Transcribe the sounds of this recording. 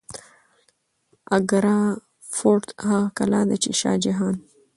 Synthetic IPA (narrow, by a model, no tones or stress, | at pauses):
aɡɾɑ | fot̪haɣkalɑːd̪at͡ʃḛʃɑ̰ːd͡ʒaɦɑːn